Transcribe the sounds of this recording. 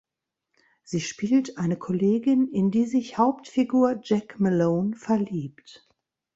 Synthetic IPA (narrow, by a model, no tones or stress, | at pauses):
z̥iːʃpiːltʔaɪnəkʰɔleːɡɪnɪndiːzɪçhaʊptfiɡuːɐd͡ʒɛkmɛloːnfɛɐliːp̚t